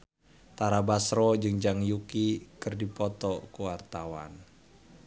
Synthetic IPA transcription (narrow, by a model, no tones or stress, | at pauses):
t̪aɾabasɾɔd͡ʒɨŋd͡ʒaŋjukikɨrdipɔt̪ɔkuwart̪awa̰n